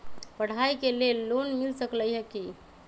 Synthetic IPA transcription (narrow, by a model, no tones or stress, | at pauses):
pəɽ̤ajkelelːonmilsəkləjɦəki